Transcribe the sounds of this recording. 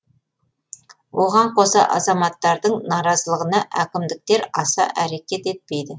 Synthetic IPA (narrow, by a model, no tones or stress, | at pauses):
wʔoʁɑɴqʰo̞sɑ̰ʔɑ̰zɑmɑt̪ːɑɾd̪əɴnɑɾɑzəlˠəʁənɑʔækʲɪmd̪ɪk̚t̪e̞ɾɑsɑ̰ʔæɾe̞kʲe̞t̪e̞t̪̚pe̞jd̪ɪ